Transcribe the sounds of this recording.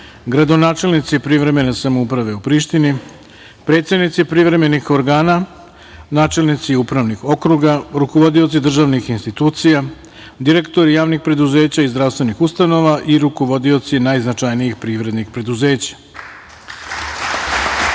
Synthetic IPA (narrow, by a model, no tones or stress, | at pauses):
ɡɾad̪o̞naːt͡ʃe̞lˠnit̪sipɾiʋɾe̞me̞ne̞samoupɾaʋe̞upɾiːʃt̪ini | pɾe̞t̪sed̪nit̪sipɾiʋɾe̞me̞nixo̞ɾɡaːna | naːt͡ʃe̞lnit̪siupɾaʋnixo̞kɾuɡaɾuko̞ʋo̞d̪io̞t̪sid̪r̩ʒaʋnixinst̪it̪uːt̪sija | d̪iɾe̞kt̪o̞ɾijaːʋnixpɾe̞d̪uze̞ːt͡ɕaizd̪ɾaʋst̪ʋe̞nixust̪ano̞ʋaʔiɾuko̞ʋo̞d̪io̞t̪sienaːjznat͡ʃajnijixpɾiʋɾe̞d̪nixpɾe̞d̪uze̞ːt͡ɕḁ